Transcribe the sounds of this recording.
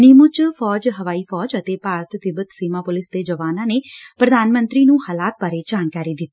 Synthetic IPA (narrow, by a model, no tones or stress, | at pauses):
nɪːmʊt͡ʃfʰɔːd͡ʒɦəʋaːiːpʰɔːd͡ʒət̪eːpaːɾət̪t̪ɪbət̪siːmãːpʊlɪsd̪eːd͡ʒəʋaːnãːneːpɾəd̪ʱaːnmə̃nt̪ɾiːnũːhaːlaːt̪̚baːɾed͡ʒaːnkaːɾiːd̪ɪt̪ː